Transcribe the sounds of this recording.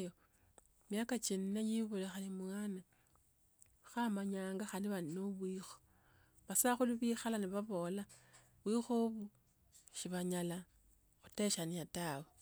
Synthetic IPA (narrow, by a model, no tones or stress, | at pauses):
jo | mjakat͡ʃininejiβulexanimwana | xamaɲaːŋɡaxandiβanoβwixo̥ | βasaxuliβixalaniβaβo̞ːla | βwixoβu | ʃiβaɲala | xu̥te̞ʃaniatawe